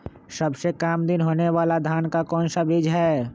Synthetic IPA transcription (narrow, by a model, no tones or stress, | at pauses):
səbsekaːmd̪ɪnɦoːneʋaːlad̪ʱaːnkakɔːnsabid͡ʒɦɛː